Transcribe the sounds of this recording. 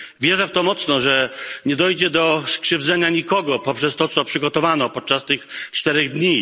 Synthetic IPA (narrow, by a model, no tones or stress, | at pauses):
vʲjɛʐɛft̪ɔmɔt̪snɔʐɛɲɛd̪ɔjd͡ʑɛd̪ɔskʂɘvd̪zɛɲaɲikɔɡɔpɔpʂɛst̪ɔt̪sɔpʂɘɡɔt̪ɔvanɔpɔt̪̚t͡ʂast̪ɘxt͡ʂt̪ɛɾɛɣd̪ɲi